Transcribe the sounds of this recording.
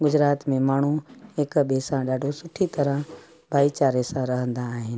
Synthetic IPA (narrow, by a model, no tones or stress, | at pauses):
ɡʊd͡ʑɾaːt̪mẽmaːɳ̤uɦɪkɓeːsãɗaːɖʱosʊʈʰit̪ɐɾə̃ | bʱaːit͡ɕaːɾesãɾɐɦə̃nd̪aːɦɪnɪ̆